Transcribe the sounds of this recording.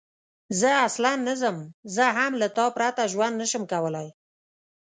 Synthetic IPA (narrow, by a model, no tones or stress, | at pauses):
zəaslanːəzəmzəɦamlat̪ɑpɾat̪aʒwand̪nəʃəmkawəlaj